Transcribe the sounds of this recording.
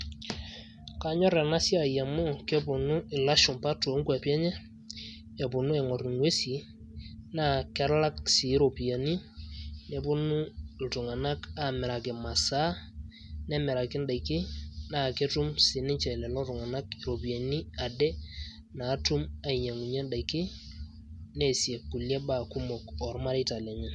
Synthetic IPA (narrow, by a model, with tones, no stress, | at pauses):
ka˨ɲɔ˦ɾɛ˨na˦sja˨ja˨mo˦kɛ˦bʊ˨nʊ˦ɪ˨la˦ʃʊ˨mpa˦to˨˦ŋ˦kwa˨pjɛ˦ɲɛ˦ | ɛ˨bʊ˨nu˦ɛ˨ŋɔ˨ɾi˨ŋwe˦si˨ | na˦˨kɛ˦ɾla˦ksɪ˨˦ɾo˨pi˨a˨ni˦nɛ˨bʊ˦nʊ˦l̩˨tʊ˨ŋa˨na˦ka˨mɛ˨ɾa˨kɪ˨ma˨sa˦ | nɛ˦mɛ˨ɾa˨kɪ˦nda˨i˨kːɪ˦na˦˨ke˦tu˦msɪ˨nɪ˦t͡ʃɛ˨lɛ˨lɔ˦tʊ˨ŋa˨na˦ki˨ɾo˨pi˨a˨ni˦a˨dɛ˦ | naː˨˦tu˦ma˦i˨ɲa˨ŋu˨ɲɛ˦nda˨i˨kɪ˦ | nɛ˨sjɛ˨kːu˨ljɛ˦ba˦˨kʊ˦mɔ˨kɔ˨ɾma˦ɾi˦ta˨la˨ɲɛ˦